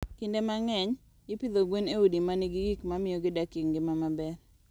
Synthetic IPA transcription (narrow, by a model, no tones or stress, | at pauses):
kindemaŋɛɲ | ɪpid̪oɡweneudimanɪɡɪɡikmamɪjɔɡɪdakiŋɡɪmamabɛɾ